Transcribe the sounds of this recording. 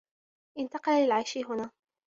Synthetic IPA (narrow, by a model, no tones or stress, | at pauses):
ʔɪnt̪ɑqɑllɪlʕajʃɪɦʊnaː